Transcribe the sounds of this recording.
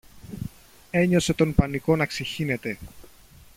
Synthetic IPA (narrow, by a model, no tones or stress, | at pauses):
e̞ɲo̞se̞t̪o̞npɐniko̞nɐkseçine̞t̪e̞